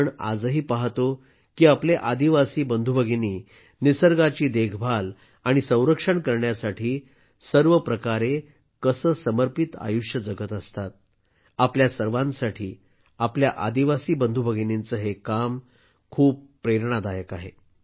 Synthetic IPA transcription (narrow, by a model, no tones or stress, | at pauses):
ɳa̰d͡zəɦiːpaɦt̪o | kiːapleʔad̪iʋasiːbənd̪ʱubʱəɡʱiniː | nisəɾɡat͡ɕiːd̪ekʰbʱal | aɽ̃isə̃w̃ɾəkʂəɳkəɾɳjasaʈʰiː | səɾʋəpɾəkaɾe | kəsəːsəməɾpit̪a̰juʂjəd͡zəɡət̪əst̪at̪̚ | apljasəɾʋãnsaʈʰiː | apljaʔad̪iʋasiːbənd̪ʱubʱəɡʱinint͡səɦekam | kʰuːpːɾeɾɳ̃ad̪ajəkaɦḛ